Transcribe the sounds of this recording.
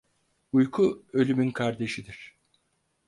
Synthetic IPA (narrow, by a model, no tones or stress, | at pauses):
ujkʰuø̞lʲymynkʰaɾd̪e̞ʃid̪iɾ̥